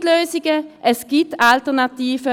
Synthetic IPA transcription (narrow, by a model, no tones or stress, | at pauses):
tløːzɪɡəʔɛsɡ̥iːp̚taltəʁnatiːvə